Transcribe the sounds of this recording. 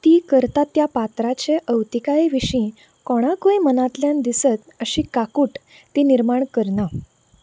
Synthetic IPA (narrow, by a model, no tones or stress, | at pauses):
t̪iːkəɾt̪at̪japat̪ɾat͡ɕeʔəwt̪ikaiʋiɕĩ | kɔɽ̃akojmənat̪ljãnd̪isət̪əɕiːkakuːʈ | t̪iniɾmaɳkəɾna